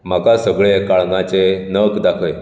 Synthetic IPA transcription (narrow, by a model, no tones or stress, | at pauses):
m̤akasəɡɭekaɭnãt͡ɕenəkd̪akʰəj